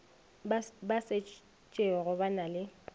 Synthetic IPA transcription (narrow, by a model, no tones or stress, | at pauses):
base | t͡ʃʼɪɔɣʊbanalɪ